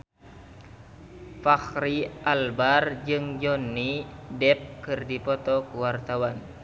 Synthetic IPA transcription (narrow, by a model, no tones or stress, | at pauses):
faxɾiʔalbard͡ʒɨŋd͡ʒɔnːidɛp̚kɨrdipɔt̪ɔkuwart̪awan